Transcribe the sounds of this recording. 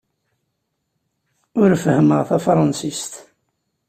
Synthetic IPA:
ʊɾfəhməʁθæfɾˤɑnsist̪

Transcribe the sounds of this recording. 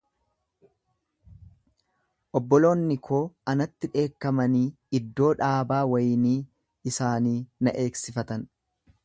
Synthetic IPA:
ʔɔbːɔlo̞ːnːɪkʰoːɐnɐt̪ːɪᶑe̞ːkːɐmɐniː | ɪd̪ːo̞ːᶑaːbaːwɐjniː | ɪsaːniːnɐʔe̞ːksɪfɐt̪ɐn

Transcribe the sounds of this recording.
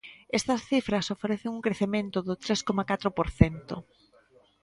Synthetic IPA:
est̪ɐsθifɾɐsofeɾeθeŋuŋkɾeθemẽnt̪ʊðʊt̪ɾeskomakat̪ɾopoɾθent̪o̰

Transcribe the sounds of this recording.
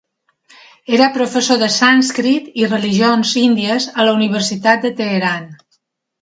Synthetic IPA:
eɾəpɾofəsoðəsanskɾit̪irəliʒionzind̪iəzələuniβ̞əɾsit̪at̪̚d̪ət̪eːɾan

